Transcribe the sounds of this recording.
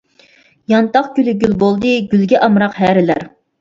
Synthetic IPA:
jɑnt̪ɑχɡʲylyɡʲylbolˠd̪ɨɡʲylɡʲɛʔɑmɾɑqɦæːɾɪlæɾ

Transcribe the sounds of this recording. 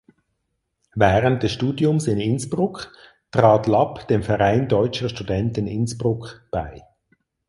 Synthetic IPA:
vɛːʁənt̚d̥ɛsʃtuːdjʊmsɪnɪnsb̥ʁʊk | tʁaːtlɑpd̥emfɛʁaɪndɔʏt͡ʃəʃtudɛntɪnɪnsb̥ʁʊkb̥a̰ɪ

